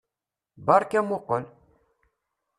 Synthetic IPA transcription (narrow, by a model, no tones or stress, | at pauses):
bɑɾˤkæmoqəl